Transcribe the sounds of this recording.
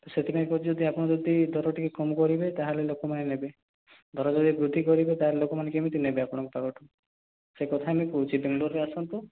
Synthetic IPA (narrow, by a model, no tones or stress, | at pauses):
set̪ʰipanekuid͡ʒɔd̪ʱiapɔɽ̃ɔd͡ʒɔd̪ʱid̪ʱɔɾɔʈikekɔmkɔɾibet̪aɦalelokɔmanenebe | d̪ʱɔɾɔd͡ʒɔd̪ʱibɾud̪ʱːikɔɾibet̪aɦelelokɔmanekemit̪̬inebeapɔɽ̃ɔ̃ŋkupaɡɔʈʰu | sekɔt̪ʰajmekut͡ʃibeŋɡloɾɾeasɔnt̪u